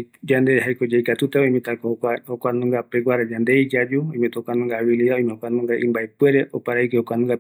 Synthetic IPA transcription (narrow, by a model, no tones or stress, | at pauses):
d͡ʒandɛɦaikɔd͡ʒaikatutaɔimɛtakahɔkwanuŋɡapɛɡwaɾad͡ʒandɛid͡ʒad͡ʒuimɛtɔkwanuŋɡawiliaɔimɛhɔkwanuŋɡaʔimbaipwɛɾɛʔɔpaɾaik̬ɛhɔkwanuŋɡa